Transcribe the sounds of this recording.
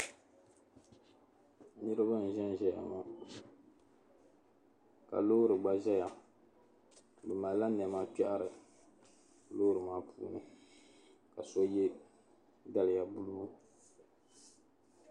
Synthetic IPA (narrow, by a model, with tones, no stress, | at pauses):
nɨ˦ɾɨ˦ba˦n̩˨ʒɛ˦n˦ʒɛ˨ja̰˨ma˦ | ka̰˨lo˦ɾɨ˨ɡ͡ba˦ʒɛ˦ja˨ | bɨ˨ma˨˦la˦n˨ɛ˨ma˦pɛ˦ʔa˦ɾɨ˨ | lo˦ɾɨ˨maː˦pʰṵː˦nɨ˨ | ka˨so˦jɛ˦ | da˦lɨ˨ja˨bu˦lmu˦